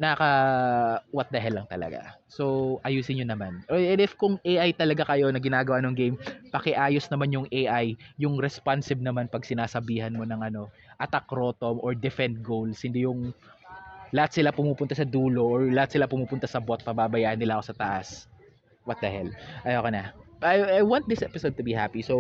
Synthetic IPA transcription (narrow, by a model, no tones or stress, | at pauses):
nɐɐkɐ | wɐt̪̚d̪ɐɦɛlːɐŋt̪ɐlɐ̰ɡa̰so̞ʔɐjuːsɪnɲonɐmanɛnɪfkʊŋʔejʔajt̪ɐlɐɡakɐjo̞nɐɡɪnaːɡɐwanoŋɡejmpɐkɛʔaːjosnɐmanjʊŋʔejʔajːʊŋɾɛspansɪb̚nɐmanpɐɡ̚sɪnaːsɐbiːɦɐnmo̞nɐŋʔɐno̞ | ʔɐt̪ɐkɾo̞ːt̪omʔoɹd̪ɛfɛnt̪̚ɡowlshɪnd̪ɪjʊŋ | lɐhat̪̚sɪlapʊmuːpʊnt̪asɐd̪uːlo̞ʔːɹlɐat̪̚sɪlapʊmuːpʊnt̪asɐbo̞t̪̚pɐbaːbɐjaːʔɐnːɪlaʔɐko̞sɐt̪ɐʔa̰s | wɐt̪̚d̪ahɛlʔɐjokɐnɐajajwãnt̪̚d̪ɪsʔɛpɪsod̪̚t̪ʊbihapiso